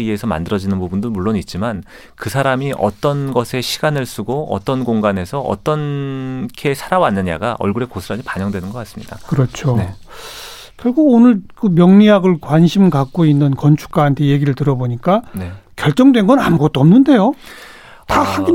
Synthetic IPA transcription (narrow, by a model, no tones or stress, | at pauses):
iesʰʌma̰ndɯɾʌd͡ʑinɯnpubundɯnmuɭːonit̚t͡ɕ͈iman | kɯsʰaɾamiʔʌ̰t͈ʌnɡʌsʰe̞ɕʰiɡanɯɭs͈uɡoʌ̰t͈ʌnɡoŋɡane̞sʰʌʔʌ̰t͈ʌnkʰe̞sʰaɾawanːɯɲa̰ɡaʔʌ̰ɭɡuɾe̞kosʰɯɾad͡ʑipaɲʌŋdwe̞nɯnɡʌk͈as͈ɯ̥mɲidakɯɾʌt͡ɕʰo | kjʌɭɡuɡonɯɭkɯmjʌŋɲiaɡɯɭkwaɲɕʰimkak̚k͈oinːɯnkʌnt͡ɕʰu̥k̚k͈aɦantʰe̞je̞ɡiɾɯɭtɯɾʌboɲik͈anekjʌɭt͡ɕ͈ʌŋdwe̞nɡʌnanɯɡʌt͈oʌmnɯnde̞jo | ahaɡi